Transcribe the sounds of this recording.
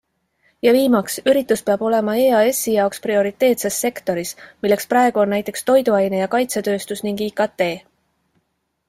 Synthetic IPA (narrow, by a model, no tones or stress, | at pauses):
jɑviːmɑksyɾit̪ːˑuspeɑb̥o̞le̞mɑeːɑe̞sːijɑoksprio̞ɾit̪ːe̞ːt̪sesːe̞kt̪o̞ɾismilːe̞ksprɑe̞ɡ̥uonːæjt̪ːˑe̞kst̪o̞jd̪uɑjne̞jɑkɑjt̪se̞t̪ø̞ːst̪usniŋɡ̥iːkɑt̪ːe̞ː